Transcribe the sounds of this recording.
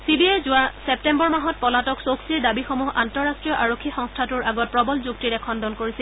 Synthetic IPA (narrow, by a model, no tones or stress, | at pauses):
sibiejzʊwasɛp̚tɛmbɔɹmaɦɔt̚pɔlatɔksoksiɹdabixomuɦantɔɹastɹijɔʔaɹokʰːixɔŋstʰatʊɹʔaɡɔt̚pɹɔbɔlzuktiɹɛkʰɔndɔnkoɹisɛ